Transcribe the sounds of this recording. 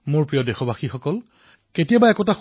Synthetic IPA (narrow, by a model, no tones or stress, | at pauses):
mʊɹpɹijɔdexɔbʱaxixɔkɔl | ketijabaɛkɔtax